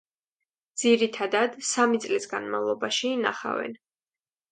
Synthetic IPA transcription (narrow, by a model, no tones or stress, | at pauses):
d̪z̥iɾit̪ʰad̪ad̪samit̪sʼlisɡanmavlˠɔbaʃiːna̰χa̰vɛ̰n